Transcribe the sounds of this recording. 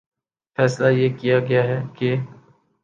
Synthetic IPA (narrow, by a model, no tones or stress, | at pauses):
fɛːslajeːkijaɡɐjaɦɛke